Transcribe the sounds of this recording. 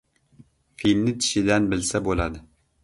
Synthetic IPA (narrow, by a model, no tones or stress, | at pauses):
finːɪt̪ʰi̥ʃid̪ɛnbɪlsɛbolˠɑd̪ɨ